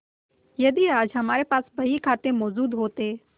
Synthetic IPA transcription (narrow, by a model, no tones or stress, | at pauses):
jɐd̪iaːd͡ʒɦɐmaːɾepaːsbɐɦikʰaːt̪emɔːzuːd̪ɦoːt̪eː